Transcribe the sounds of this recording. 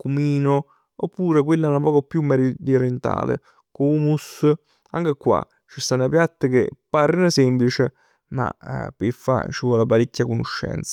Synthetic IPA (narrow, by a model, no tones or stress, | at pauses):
kumiːno | opːuːɾekwelːanapɔːkopjumːɛɾid̪ioɾent̪a̰ːlḛ | kuːmus | aŋk̟ekwa̰ | t͡ʃːist̪anːapjat̪ːekḛpːaɾnasɛmplit͡ʃe | ma̰pefːa̰t͡ʃivɔlapaɾekʲːakonoʃːɛ̰nt̪sḁ